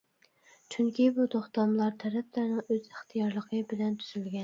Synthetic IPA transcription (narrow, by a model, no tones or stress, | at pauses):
t͡ʃʰyŋkʲʰibut̪oχt̪ɑmlˠɑɾt̪ʰɛɾɛplæɾnɪŋøz̥əχt̪ʰijɑɾlˠəqʰəbɪlɛnt̪ʰyz̥ylɡʲɛn